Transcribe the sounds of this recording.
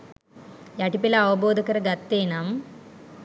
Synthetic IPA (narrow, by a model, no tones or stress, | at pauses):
jɐʈipilɐɐʋɐboːd̪ʱɐkɐɾɐɡɐt̪ːeːnam